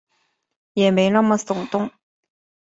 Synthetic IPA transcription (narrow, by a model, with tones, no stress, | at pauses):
jɛ˨˩me˧˥ɪna˥mə˨sʊ˨˩ŋt̪ʊ˥ŋ